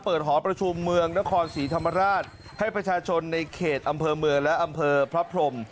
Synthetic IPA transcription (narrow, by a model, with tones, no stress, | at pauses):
pɤː˨˩t̪̚ɦɔː˩˦npɾa˧t͡ɕʰu˧mːɯ˧əŋna˦˥kʰɔː˧nsiː˩˦t̪ʰa˧mːa˧ɾaː˥˩t̪̚ | ha˥˩jpɾa˧t͡ɕʰaː˧t͡ɕʰo˧nːa˧jkʰeː˨˩t̪̚ʔa˧mpʰɤː˧mɯ˧əŋlɛ˦˥ʔa˧mpʰɤː˧pʰɾa˦˥pʰɾo˧m